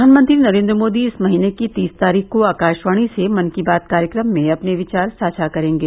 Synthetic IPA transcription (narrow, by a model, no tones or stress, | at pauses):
aːnmə̃nt̪ɾinɐɾẽːnd̪ɾəmoːd̪iɪsmɐɦinekit̪iːst̪aːɾiːxkoaːkaːʃʋaːɽ̃isemɐnkibaːt̪̚kaːɾjəkɾəmːẽɐpneʋɪt͡ʃaːɾsaːt͡ʃʰakɐɾẽːŋɡeː